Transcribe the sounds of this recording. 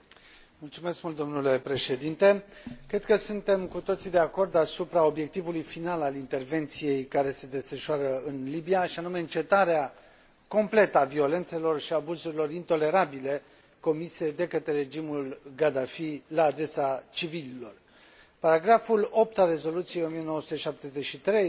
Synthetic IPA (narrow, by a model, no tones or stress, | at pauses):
mult̪sume̞skmult̪̚d̪o̞mnule̞pɾe̞ʃe̞d̪int̪e̞kɾe̞d̪kəsunt̪e̞mkut̪o̞t̪sid̪e̞ako̞rd̪asupɾao̞bje̞k̚t̪ivulujfinalalint̪e̞rve̞nt̪sije̞jkaɾe̞se̞d̪e̞sfəʃoaɾəɨnlibijaʃianume̞ɨnt͡ʃe̞t̪aɾea | ko̞mple̞t̪əavio̞le̞nt̪se̞lo̞rʃiabuzuɾilo̞ɾint̪o̞le̞ɾabile̞ | ko̞mise̞d̪e̞kət̪ɾe̞ɾe̞d͡ʒimulɡad̪afilaːd̪e̞sat͡ʃivililo̞r | paɾaɡɾafulo̞p̚t̪alre̞zo̞lut̪sijejo̞mije̞noəsut̪eʃap̚t̪e̞ze̞ʃit̪ɾe̞j